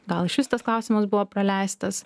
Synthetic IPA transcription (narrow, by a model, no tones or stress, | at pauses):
ɡɐlˠɪʃʲɪst̪ɐsklˠɑˑʊsʲɪmɐsbʊʋoːpɾɐlʲæˑɪst̪ɐs